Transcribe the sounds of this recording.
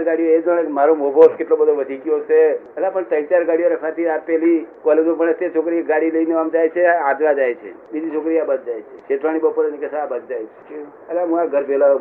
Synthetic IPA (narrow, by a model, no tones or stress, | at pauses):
ɾɡaɽijoed͡ʒəɭ̃emaɾomobʱoskeʈlobəd̪ʱoʋəd̪ʱikiot͡ʃʰeəlapəɳt̪əjt͡ʃaɾɡaɽijoɾekʰat̪ʰiapelikɔled͡ʒõpəɳət̪jat͡ʃʰokɾiaɡaɽiləineamd͡ʒajt͡ʃʰead͡ʒʋad͡ʒajt͡ʃʰḛ | bid̪ʱit͡ʃʰokɾijabəd̪̚d͡ʒajt͡ʃʰet͡ʃet̪ʋaɽ̃ibəpoɾenekesəabəd̪̚d͡ʒajt͡ʃʰe̥ | əlaɦũaɡʱəɾpela